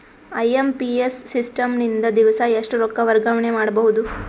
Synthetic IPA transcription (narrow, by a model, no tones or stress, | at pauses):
ɐjempiesːisʈɐmnind̪ɐd̪iʋɐsɐeʂʈuɾɔkːɐʋɐɾɡɐʋɐɳemaːɽɐbɐɦud̪u